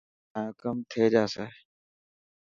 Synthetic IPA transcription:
ãːkəmt̪ʰeːd͡ʒaːseː

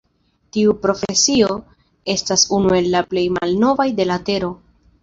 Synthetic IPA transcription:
tiupɾo̞fee̞sio̞ | e̞stasunue̞lːaple̞jma̰lno̞vajde̞late̞ɾo̞

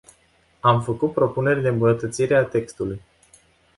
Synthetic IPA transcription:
amfəkut̪̚pɾo̞pune̞rʲd̪embunət̪ət̪siɾe̞at̪e̞kst̪uluj

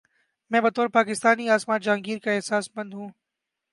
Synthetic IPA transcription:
mɛ̃ːbɐt̪oːɾpaːkɪst̪aːniaːsmãːd͡ʒaːŋɡiːɾkaɪɦsaːsbɐ̃nd̪ɦũː

